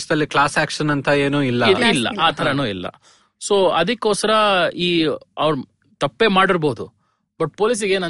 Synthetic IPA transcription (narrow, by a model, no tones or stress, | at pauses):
ʂɐd̪ɐlːiklaːsaːkʂɐnɐnt̪ɐeːnuːilːɐilːɐ̰ʔaːt̪ʰɐɾɐnuːilːɐ̰ | so̞ːɐd̪ikːoːsɐɾɐiːɐʋɾ | t̪ɐpːe̞ːmaːɽiɾbo̞ːd̪u | bɐʈ̚po̞ːlis̬iɡeːnɐ